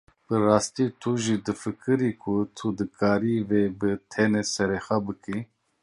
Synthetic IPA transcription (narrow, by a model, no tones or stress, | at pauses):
b̥ɨɾaːst̪it̪ʰuʒid̪ɨfɨkɨɾikʰut̪ʰud̪ɨkʰaːɾivebɨt̪ʰɛnɛsɛɾexabɨki